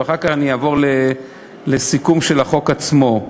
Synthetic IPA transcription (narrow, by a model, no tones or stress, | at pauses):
aχakaχanijaːvo̞ʁle | lesikumʃelaχo̞kat͡smo̞